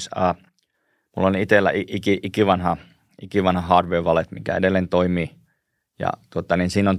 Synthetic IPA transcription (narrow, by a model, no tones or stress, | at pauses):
sɑː | mṵlːonit̪elːæ̰ʔiʔikiʔikiʋɑnhɑ | ʔikiʋɑnhɑhɑːdʋeːʋɑlet̪mikæ̰ḛdelːeːnt̪oimi | jɑ̰t̪uot̪ɑninsiːnon